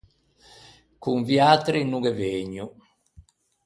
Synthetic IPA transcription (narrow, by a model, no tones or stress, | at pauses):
kuɱvjat̪ɾinuɡɛveɲu